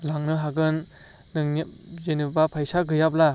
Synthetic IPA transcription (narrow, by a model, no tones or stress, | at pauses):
laŋnɯɦaɡɯnː | ɯŋnizenɯbapʰajsaɡɯjap̬̚la